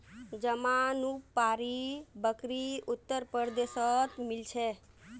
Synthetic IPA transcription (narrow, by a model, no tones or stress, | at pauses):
d͡ʒəmanupːaɾibəkɾiut̪ːəɾpəɾd̪esət̪milt͡ʃʰɛ